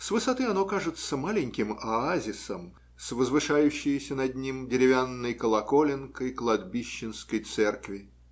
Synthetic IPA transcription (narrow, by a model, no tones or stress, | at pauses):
svɨsɐt̪ɨɐno̞kaʐɨt̪səmalʲɪnʲkʲɪmɐazʲɪsəm | svəzvɨʂajʉɕːɪjəsʲənɐdʲnʲimdʲɪɾʲɪvʲanːəjkəlˠɐkolʲɪnkəjklˠɐd̪bʲiɕːɪnskəjt̪sɛrkvʲɪ